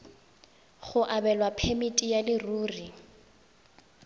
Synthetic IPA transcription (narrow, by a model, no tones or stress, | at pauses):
χʊʔabɛlwapʰemitʼijalɪruːri